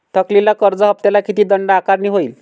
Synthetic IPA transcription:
t̪ʰəklilakəɾd͡zəɦəp̚t̪alakit̪iːd̪əɳɖakaɾɳiːɦoiːl

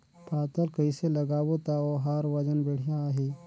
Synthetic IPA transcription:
paːt̪əlkəiselɐɡaːwot̪aoɦaːɾʋɐd͡ʒənbeɽ̤jaɦiː

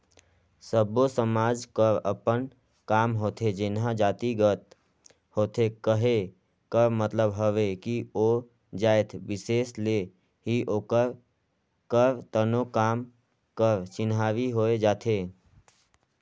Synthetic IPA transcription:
səbosəmaːd͡ʒkəɾə̰pən | kaːmɦoːt̪ʰed͡ʒɪnɦãd͡ʒaːt̪iɡət̪ | hoːt̪ʰekəɦe | kəɾmət̪ləbɦəʋekio | d͡ʒaːet̪ʰbɪseːsle | ɦiʔoːkəɾ | kəɾt̪ənokaːm | kəɾt͡ʃɪnɦaːʋiɦoːed͡ʒaːt̪ʰeː

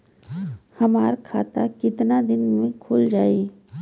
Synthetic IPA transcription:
hɐmaːɾkʰa̰ːt̪akɪt̪nad̪ɪnmẽkʰʊːld͡ʒaːiː

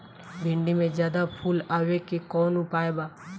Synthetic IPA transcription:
bʱɪ̃ɳɖimẽd͡ʒjaːd̪apʰuːlaːʋekikɔːnʊpaːebaː

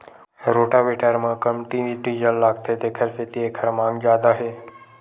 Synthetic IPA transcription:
ɾoʈaʋeʈaɾmãkəmʈiʋiʈiːd͡ʒəllaːɡt̪et̪ekʰəɾfet̪iekʰəɾmãːŋɡd͡ʒaːd̪aɦeː

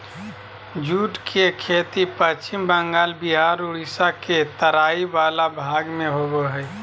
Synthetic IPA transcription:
d͡ʒuʈkʰekʰet̪ipət͡ʃt͡ʃimbə̃ŋɡaːlbiɦaɾuɽisaket̪əɾaːibalabʱaɡmẽɦobeɦəj

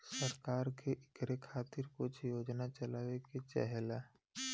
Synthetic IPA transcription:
səɾkaːɾkeʔɪkɾekʰaːt̪ɪɾkʊt͡ʃʰjoːd͡ʒnat͡ʃəlaːʋeket͡ʃɛ̰ɦla

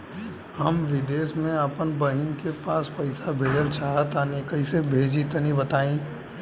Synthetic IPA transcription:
hɐmʋɪd̪eːsmẽəpənbɐɦɪnkepaːspɐɪsabʱeːɖəlt͡ʃʰaːɦət̪anekɐisebʱeːd͡ʒit̪ɐnibɐt̪aːĩː

